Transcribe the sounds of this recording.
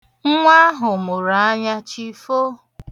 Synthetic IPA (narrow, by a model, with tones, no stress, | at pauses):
ŋ̩˦ŋʷa˦ɦʊ˨mʊ˨ɾa˨a˦ɲa˦t͡ʃi˦fo˦